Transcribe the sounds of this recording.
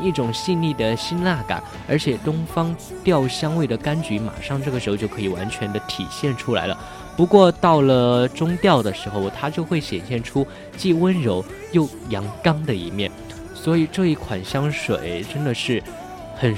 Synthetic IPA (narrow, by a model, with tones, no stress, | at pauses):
i˥˩ʈ͡ʂʊ˨˩ŋɕi˥˧nli˥˩d̪ə˩ɕi˥nla˥˩ka̰˨˩˦n | ə̰˞˧˥t͡ɕʰjɛ˨˩t̪ʊ˥ŋfɑ˥ŋt̪jɑ˥˩ʊɕjɑ˥ŋwe˥˩ɪd̪ə˩ka˥nt͡ɕy˧˥ma̰˨˩ʂɑ˥˧ŋʈ͡ʂɤ˥˩ɡə˩ʂɻ̩˧˥o˧t͡ɕjo˥˩ʊkʰːi˨˩wa˧˥nt͡ɕʰɥɛ˧˥nd̪ə˧t̪ʰi˨˩ɕjɛ˥˩nʈ͡ʂʰu˥la˧˥ɪlə̰˧ | pu˧˥kwɔ˥˧t̪ɑ˥˩ʊlə˩ʈ͡ʂʊ˥ŋt̪jɑ˥˩ʊd̪ə˩ʂɻ̩˧˥xo˧ʊt̪ʰa˥t͡ɕjo˥˧ʊxwe˥˩ɪɕjɛ˨˩nɕjɛ˥˩nʈ͡ʂʰu˥ | t͡ɕi˥˩wə˥nɻo˧˥ʊ | jo˥˩ʊjɑ˧˥ŋkɑ˥ŋd̪ə˨i˧˥mjɛ˥˩n | swɔ˧˥i˨˩ʈ͡ʂɤ˥˧i˥˩kʰwa˨˩nɕjɑ˥ŋʂwḛ˨˩˦ɪʈ͡ʂə˥nd̪ə˨ʂɻ̩˥˩ | xə˨˩n